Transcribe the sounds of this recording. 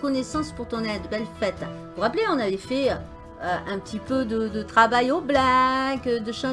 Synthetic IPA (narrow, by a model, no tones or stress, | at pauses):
kɔnɛsɑ̃spuʁt̪ɔ̃nɛd̪əbɛlfɛt̪puʁapleɔ̃navɛfɛø | øɛ̃pət̪ipød̪əd̪ət̪χavajoblakəd̪əʃɑ̃